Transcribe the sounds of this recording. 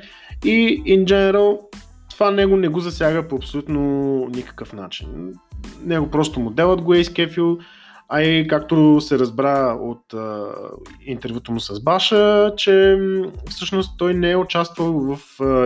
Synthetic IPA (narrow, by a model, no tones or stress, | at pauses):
iind͡ʒɛnɛɾəlˠ | t̪ovanɛɡʊnɛɡozɐsʲjaɡəpoɐpsolʲut̪nonikə̥kəfna̰t͡ʃḭnnɛɡopɾɔst̪omʊd̪ɛlˠəd̪ɡoɛiskɛfilˠ | ɐikakt̪osɛɾɐzbɾao̰t̪ə | int̪ɛɾvʲjut̪əmʊsɐzbaʃət͡ʃɛ | fsɤʃnost̪ːɔjnɛɛʊt͡ʃast̪vəlˠvɐf